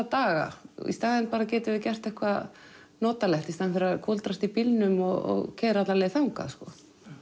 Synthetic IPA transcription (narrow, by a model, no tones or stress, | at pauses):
at̪aːɣa̰ḭst̪aːðɪnpaːɾacɛːt̪ɪvɪcɛr̥t̪ɛhkva | nɔːt̪alɛht̪ist̪anfɪɾɪɾaðkʰɔlt̪ɾast̪ipilnʏmɔɣɔ̰ɣcʰɛːɾat̪lalɛːðθawŋka̰skɔ